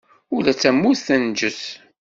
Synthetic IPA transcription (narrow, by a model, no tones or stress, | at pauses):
ʊlæt͡sːæmːusθænd͡ʒəs